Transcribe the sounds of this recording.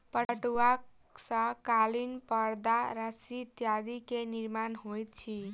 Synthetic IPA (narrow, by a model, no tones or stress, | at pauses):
pəʈua | sʌ̃kalinpʌɾd̪aɾʌsit̪jad̪ikeniɾmanɦojt̪̚t͡ʃʰi